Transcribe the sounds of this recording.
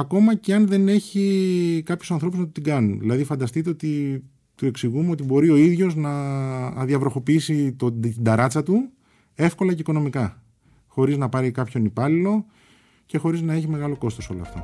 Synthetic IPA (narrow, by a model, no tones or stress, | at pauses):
ɐko̞mɐceɐnðe̞neçikɐpçusɐnθo̞puznɐt̪ot̪iɡɐnunðilɐðifɐnd̪ɐst̪it̪e̞o̞t̪i | t̪ue̞ksiɣumeo̞t̪ibo̞ɾio̞iðʝo̞znɐ | ðiɐvɾo̞xo̞piisit̪ot̪ind̪ɐɾɐt͡sɐt̪u | e̞fko̞lɐceiko̞no̞mikɐ | xo̞ɾiznɐpɐɾikɐpço̞nipɐlilo̞ | ce̞xo̞ɾiznɐe̞çime̞ɣɐlo̞ko̞st̪o̞so̞loɐ̰ft̪o̞̰